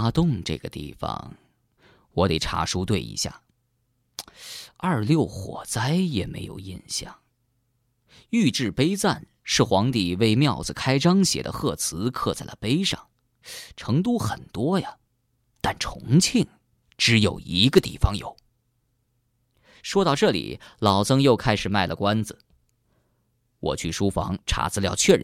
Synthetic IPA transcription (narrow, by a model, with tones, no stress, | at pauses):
t̪ʊ˥˧ŋʈ͡ʂɤ̰˥˩ɡə˩t̪ḭ˥˩fɑ̰˨˩ŋ | wɔ˧˥t̪e˨˩ʈ͡ʂʰa̰˥ʂu˥t̪we˥˩ɪḭ˧˥ɕja̰˥˩ | ɐ˞˥˧ljo˥˩ʊxwɔ̰˨˩t͡sa˥ɪjɛ˨˩me˧˥ɪjo̰˨˩ʊjḭ˥˧nɕjɑ̰˥˩ŋ | y˥˧ʈ͡ʂɻ̩˥˩pe˥ɪt͡sa˥˩n | ʂɻ̩˥˩xwɑ˧˥ŋt̪i˨˩we˥ɪmjɑ˥˩ʊd͡zɹ̩˨˩kʰa˥ɪʈ͡ʂɑ˥ŋɕjɛ̰˨˩d̪ə̰˦xɤ˥˩t͡sʰɹ̩˧˥kʰɤ˥˧t͡sa˥˩ɪlə̰˩pe˥ɪʂɑ̰˥˩ŋ | ʈ͡ʂʰɤ˧˥ŋt̪̬u˥xə˨˩nt̪wɔ˥jɐ˨ | t̪a˥˩nʈ͡ʂʰʊ˧˥ŋt͡ɕʰi˥˩ŋ | ʈ͡ʂɻ̩˧˥jo˨˩ʊi˧˥ɡə˧t̪i˥˩fɑ˧ŋjo̰˨˩˦ʊ | ʂwɔ˥t̪ɑ˥˧ʊʈ͡ʂɤ˥˩lḭ˨˩lɑ˨˩ʊt͡sʰɤ˥ŋjo˥˧ʊkʰa˥ɪʂɻ̩˨˩ma˥˩ɪlʔə˩kwa˥nd͡z̩˩ | wɔ̰˨˩t͡ɕʰy˥˩ʂu˥fɑ̰˧˥ŋʈ͡ʂʰa̰˧˥t͡sɹ̩˧ljɑ˥˧ʊt͡ɕʰɥɛ˥˧˩ɻ